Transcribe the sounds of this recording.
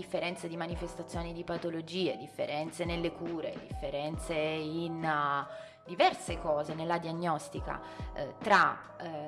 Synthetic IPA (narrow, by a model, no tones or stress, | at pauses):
ifːeɾɛnt̪sed̪imanifest̪at̪sːjoːnid̪ipat̪olod͡ʒiːed̪ifːḛɾɛnt̪senelːekuːɾḛd̪ifːeɾɛnt̪sein | d̪ivɛrsekɔːzenelːad̪iaɲːɔst̪ika̰ | t̪ɾa